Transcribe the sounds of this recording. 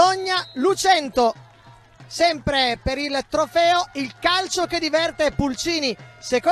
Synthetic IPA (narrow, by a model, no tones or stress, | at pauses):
oɲːalut͡ʃɛnt̪o | sɛmpɾepeɾilt̪ɾofɛːoilkalt͡ʃoked̪ivɛrt̪epult͡ʃiːniseko